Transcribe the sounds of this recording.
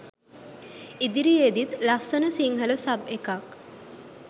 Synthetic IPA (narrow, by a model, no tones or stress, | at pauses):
id̪iɾied̪it̪lɐsənəsiŋɦələsɐbekak